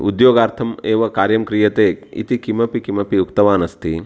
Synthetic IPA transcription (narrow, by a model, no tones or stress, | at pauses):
ud̪joːɡaːɾt̪ʰɐmeːʋɐkaːɾjɐmkɾijɐt̪eːḭt̪ikimɐpikimɐpiukt̪ɐʋaːnɐst̪i